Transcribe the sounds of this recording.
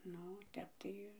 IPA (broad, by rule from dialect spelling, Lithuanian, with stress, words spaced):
ˈnʊ ˈtʲɛp tɐɪ